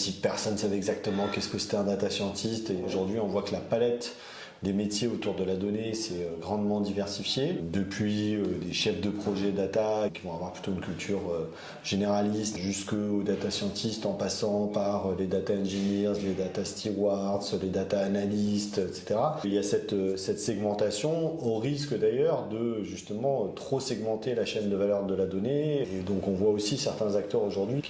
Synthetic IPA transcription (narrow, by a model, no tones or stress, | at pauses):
sipɛʁsɔnsavɛɛɡzak̚t̪əmɑ̃kɛskəse̥t̪ɛɛ̃d̪at̪asjɑ̃t̪ʰist̪eoʒuʁd̪ɥiɔ̃vwakəlapalɛt̪ | d̪emet̪jeot̪uʁd̪əlad̪ɔnesɛøɡʁɑ̃d̪mɑ̃d̪ivɛʁsifjed̪əpʰɥiød̪eʃɛfd̪əpχɔʒɛd̪at̪akʲivɔ̃avwaʁplyt̪oynkʲylt̪ʰyʁø | ʒeneʁalist̪ʒyskəod̪at̪asjɑ̃t̪ʰist̪ɑ̃pasɑ̃paʁøled̪at̪aɛ̃ʒenɛʁzled̪at̪ast̪ʰiwaʁd̪sled̪at̪aːnalist̪ɛt̪se̥t̪eʁailjasɛt̪øsɛt̪sɛɡmɑ̃t̪asjɔ̃oʁiskd̪ajœʁd̪əʒyst̪əmɑ̃øt̪χosɛɡmɑ̃t̪elaʃɛnd̪əvalœʁd̪əlad̪ɔneːd̪ɔ̃kɔ̃vwaosisɛʁt̪ɛ̃zakt̪œʁoʒuʁd̪ɥikʲ